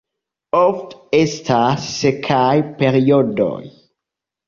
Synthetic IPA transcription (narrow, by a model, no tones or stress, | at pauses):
oftestʰasːekʰajpeɾiodo̰j